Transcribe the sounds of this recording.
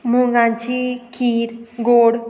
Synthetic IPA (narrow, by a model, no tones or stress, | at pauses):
mũŋɡãnt͡ʃikʰiɾɡoɽ